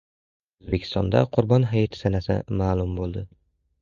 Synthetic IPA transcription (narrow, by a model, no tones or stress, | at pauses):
oʊzbekʲʰɪ̥st̪ɒnd̪a̰qʰʊɾbɒnɦajt̪ʰsanasɪ̰maːlˠʊmbolˠd̪ɪ